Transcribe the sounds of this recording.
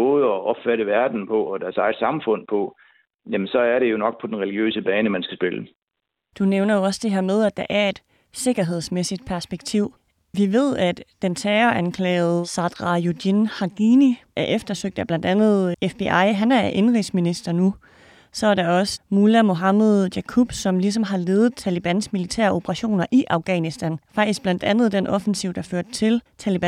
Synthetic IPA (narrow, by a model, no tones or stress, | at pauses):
ɔðˠəɒʔɒb̥fæɾəʋæɐd̥n̩pʰɒ̽ɒd̥æɐsɑ̈ɪd̥sɑ̈mfɔ̽n̰pʰɒ̽ | jæmənsɒ̽æɐɾe̝jo̝nɒ̽ɡ̥̚pʰɒ̽d̥enʁɛliɡ̥jø̰ːsəb̥ɛːnəmænsɡ̥æsb̥e̝lə | d̥uneʊnɐjo̝ɒ̽səd̥e̝ɦeɐ̰með̞ˠæd̥æʔæɐe̝d̥ | se̝ɡ̥ɐɦe̝ð̞̰ˠsmesid̥̚pʰæɐsb̥eɡ̥̚t͡sʰiʊ̰ | ʋiʋe̝ð̞̰ˠæd̥ːent͡sʰɛːɐʔænkʰlɛ̰ːð̞̩ˠsɑd̥ʁɑjudinhɑ̈ɡ̥iniʔæɐʔefd̥ɐsøɡ̥̚d̥æb̥lænd̥ænð̩ˠefb̥eʔɑ̈ɪ̰ɦænæɐʔe̝nʁisminisd̥ɐnu | sɒ̽æɐɾɑɒ̽səmulæmo̝ɦɑmeðˠjækʰub̥sɒ̽mlis̬ɒ̽mɦɑ̈le̝ːðð̩ˠt͡sʰælib̥ænsmilit͡sʰæ̰ːɐo̝b̥əʁɑɕo̝̰ːnɐʔiʔɑ̈ʊɡ̥ɛ̰ːnisd̥ænfɑ̈ɡ̥d̥isɡ̥̚b̥læn̰d̥ænð̩ˠd̥enʔɒ̽fn̩siʊ̰d̥ɑ̈føɐ̰d̥̚t͡sʰe̝lt͡sʰælib̥æn